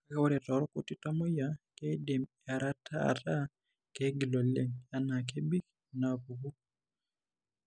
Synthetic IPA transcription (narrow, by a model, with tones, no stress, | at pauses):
ka˦ka˦wɔ˦ɾɛ˨tɔ˨ɾɔ˦ko˨ti˦ta˦mɔ˦ja˦ke˦de˨me˨a˨ɾa˦tʰa˦a̰˨ta˦ | ke˦ɡi˨lo˨le˦ŋja˨na˨k̬e˦bi˦k | na˨ku˨ku˦